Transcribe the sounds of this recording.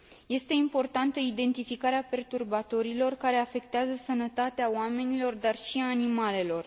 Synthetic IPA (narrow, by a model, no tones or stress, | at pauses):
je̞st̪e̞impo̞rt̪ant̪əid̪e̞nt̪ifikaɾeape̞rt̪urbat̪o̞ɾilo̞rkaɾe̞afe̞k̚t̪eazəsənət̪at̪eaoame̞nilo̞rd̪arʃiaːnimale̞lo̞r